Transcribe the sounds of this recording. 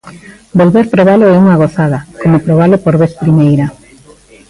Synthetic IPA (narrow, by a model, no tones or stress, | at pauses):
bolβeɾpɾoβaloɛuŋaɣoθaðakomopɾoβ̞alopoɾβeθpɾimejɾa